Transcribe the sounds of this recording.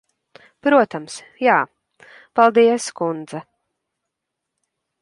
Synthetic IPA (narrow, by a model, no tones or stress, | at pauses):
pɾuɔt̪ams | jaː | palˠd̪iɛskund̪za